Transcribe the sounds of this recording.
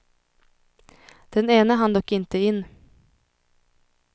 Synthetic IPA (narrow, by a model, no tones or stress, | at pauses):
d̪̥ɛneːnəɦand̪ɔkːɪnt̪əɪnː